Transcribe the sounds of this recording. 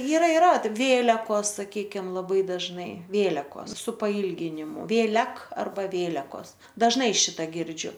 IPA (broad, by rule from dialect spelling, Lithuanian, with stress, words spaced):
iːˈrɐ ɪˈrɐ ˈʋʲeːlʲɛkoːs sɐˈkʲiːkʲɪm lˠɐˈbɐɪ dɐʒˈnɐɪ ˈʋʲeːlʲɛkoːs sʊ pɐˈiːlʲɡʲɪnʲɪmʊ ʋʲeːˈlʲɛk ɐrˈbɐ ˈʋʲeːlʲɛkoːs dɐʒˈnɐɪ ˈʃʲɪtɐ ˈɡʲɪrʲd͡ʒʲʊ